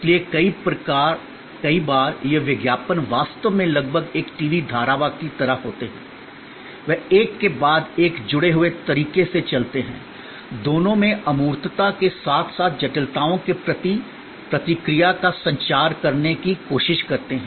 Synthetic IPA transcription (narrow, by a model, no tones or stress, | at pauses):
ɪsliekɐipɾɐkaːɾ | kɐibaːɾjeʋɪɡjaːpənʋaːst̪əʋmẽlɐɡ̚bʱəɡeːkʈiːʋid̪ʱaːɾaʋakit̪ɐɾəfɦoːt̪eɦɛ̰̃ː | ʋɛɦeːkːebaːd̪eːkd͡ʒʊɽeɦʊet̪ɐɾiːkeset͡ʃɐlt̪eɦɛ̰̃ː | d̪oːnõmẽɐmuːɾt̪t̪akesaːt̪ʰsaːt̪̚ʰd͡ʒɐʈəlt̪aːõkepɾɐt̪i | pɾɐt̪ɪkɾijakasɐ̃ɲt͡ʃaːɾkɐɾnekikoːʃɪʃkɐɾt̪eɦɛ̃